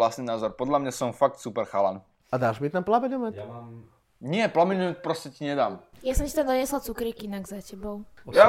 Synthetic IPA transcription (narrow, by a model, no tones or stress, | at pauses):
lasniːnaːzɔɾpɔd̪lamɲasɔmfak̚t̪supɛɾxala̰ːn | ad̪aːʒmit̪amplabɛɲɔmac | ɲɪɛplamɛɲɛt̪pɾɔscɛciɲɛd̪aːmjasɔmcit̪ad̪ɔɲɛslat͡sukɾikinaɡzacɛbɔʊa